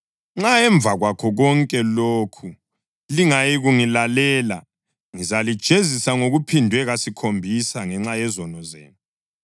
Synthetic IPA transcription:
ŋ͡ǁaɛɱbvʱaɣwakʰɔɣɔŋkʼɛloːkʰu | liŋajiɣuŋilalɛːla̰ | ŋizalid̥ʒ̥ʱezisaŋoɣupʰindʱwɛɣasikʰombʱisaŋɛŋ͡ǁajɛzɔnɔzḛːni

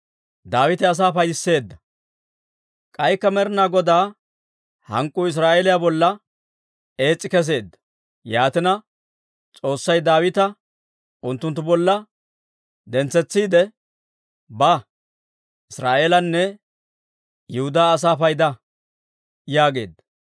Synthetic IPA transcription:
d̪aːwɪt̪ɪɐs̬aːfɐjd̪ɪsːe̞ːd̪ːɐ | kʼɐjkːɐmɛɾɪnaːɡɔd̪aː | hɐ̰ŋkʼːʊɪs̬ɾaːʔeːlɪjabɔlːɐ | e̞ːt͡sʼːɪkɛs̬e̞ːd̪ːɐ̥ | jaːt̪ɪnɐ | t͡sʼo̞ːsːɐjd̪aːwɪt̪ɐ | ʔʊnt̪ːʊnt̪ːʊbɔlːɐ | d̪ɛnt͡sːɛt͡sːiːd̪ɛ | bɐ | ʔɪsɾaːʔeːlɐnːɛ | jʊhʊd̪aːs̬aːfɐjd̪ɐ | jaːɡe̞̰ːd̪ːɐ̥

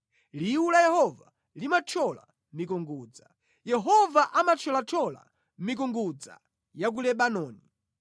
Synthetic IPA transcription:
liulajɛhɔva | limat͡ʃʰɔla̰ | mik̬uŋɡuːd͡za | jɛɦɔvaʔamat͡ʃʰɔlat͡ʃʰɔla̰ | mik̬uŋɡud͡za̰ | jak̬ulɛɓanɔːni

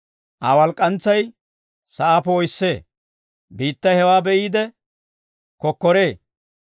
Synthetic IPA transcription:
ʔaːwɐlkʼːɐnt͡sːɐj | sɐʔaːpɛɔjsːe̞ː | biːt̪ːɐjhɛwaːbɛʔiːd̪ɛ | kɔkːɔɾe̞ː

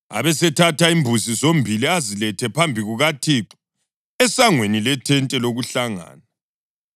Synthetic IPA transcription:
a̰βɛsɛtʰatʰaimbʱuzizombʱiliazilɛtʰɛpʰambʱiɣuɣatʰiǁu̥ | ɛsaŋwenilɛtʰɛntʼɛloɣuɬaŋa̰ːna

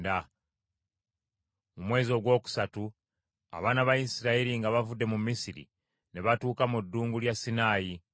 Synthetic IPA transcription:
da | mumwe̞ːzio̞ɡwo̞ːku̥satu | a̰βaːnaβajisiɾaeɾiŋɡaβavudːe̞mumːisiɾḭ | ne̞βatuːkamudːuːŋɡuljasːinaːji

